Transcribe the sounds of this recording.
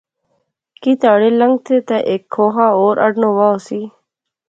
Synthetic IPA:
kiːt̪aːɽeːləŋɡ̚t̪ʰeːt̪ɛːʔeːkʰːoːɦaːoːɾʔə̰ɖnoːʋaːoːsiː

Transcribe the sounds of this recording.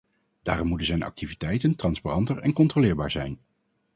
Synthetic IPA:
d̥aːrɔmutənzɛjnʔɑ̰k̚tivitɛjtəntrɑnsparɑntəɹɛ̰nkɔntrolɪːɹbaːɹzɛ̰jn

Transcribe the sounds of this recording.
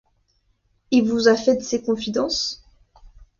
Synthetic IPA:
ilvuzafɛd̪əsekɔ̃fid̪ɑ̃s

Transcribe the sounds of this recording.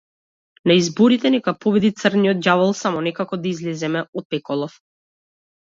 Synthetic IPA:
naizbɔɾit̪ɛnɛkapɔbɛd̪it̪sərnijɔt̪̚javalˠsamɔnɛkakɔd̪aizlɛzɛmɛɔt̪̚pɛkɔlˠɔf

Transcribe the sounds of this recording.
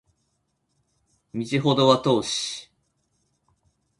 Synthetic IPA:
mʲit͡ɕiɦo̞d̪o̞βat̪o̞ːɕi̥

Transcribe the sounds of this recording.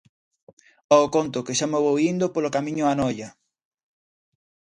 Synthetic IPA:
ɔokont̪ʊkɪʃamoβowind̪opolokamĩɲʊanɔjɐ

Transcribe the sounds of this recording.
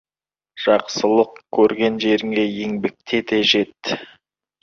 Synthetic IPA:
ʒ̥ɑqsəlˠəqkʲʰːɵɾɡʲe̞nʒe̞ɾɪŋe̞jeŋbɪk̚t̪ʰet̪e̞ʒe̞t̪ːɪ

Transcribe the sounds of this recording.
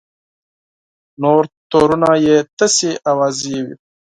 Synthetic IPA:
noːɾt̪oːɾunajet̪əseʔawaːzijewḭ

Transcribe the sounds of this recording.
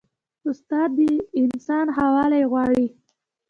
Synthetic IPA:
ʊst̪ɑd̪ːəɪnsɑnɦawɑlajɣwɑɽi

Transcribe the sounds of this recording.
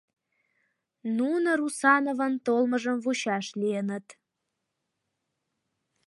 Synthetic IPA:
nunəɾusɑnovənt̪olməʒəmvuɕɑʃlienət̪

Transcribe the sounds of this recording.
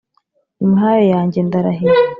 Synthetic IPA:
imihaːjojaːɲɟe̞ndaɾaɦe

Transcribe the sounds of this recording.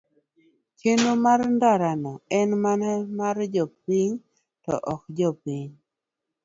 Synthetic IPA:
t͡ʃenomaɾndaɾanɔɛnmanamaɾd͡ʒɔp̚iɲ | tɔ̰ʔɔkd͡ʒɔpiɲ

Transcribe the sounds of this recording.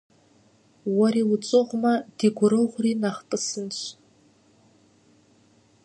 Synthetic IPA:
waɾilt͡sʼɨʁʷmad̥iɡʷʊɾɨʁʷrinaχpʼɨsɨnt͡ʃʷʰ

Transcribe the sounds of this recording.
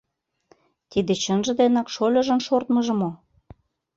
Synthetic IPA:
t̪id̪et͡ɕənʒə̆d̪enɑkʃolʲɤ̆ʒə̆nʃort̪mə̆ʒə̆mo

